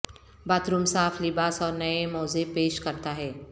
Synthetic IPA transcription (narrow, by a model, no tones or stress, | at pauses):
baːt̪ɾumsaːfʰlɪbaːsɔːɾnɐemɔːzepeːʃkɐɾt̪aɦɛː